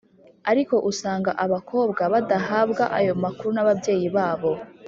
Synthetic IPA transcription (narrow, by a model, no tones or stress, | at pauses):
aɾiko̞ʔusaːŋɡaʔaβakʰo̞ːbɡaβadaɦabɡaʔajo̞makuɾunaβabje̞ːjiβaːβo̞